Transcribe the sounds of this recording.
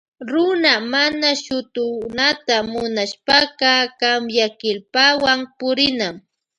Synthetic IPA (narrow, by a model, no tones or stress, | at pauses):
ɾʊnamanaʃʊt̪ʊnat̪amʊnaʃpakɑkamjakɪlpawampʊɾɪnam